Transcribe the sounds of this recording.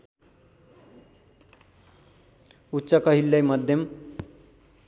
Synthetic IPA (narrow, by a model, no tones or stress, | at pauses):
utːsʌkʌɦilːʌjmʌd̪ʱjʌm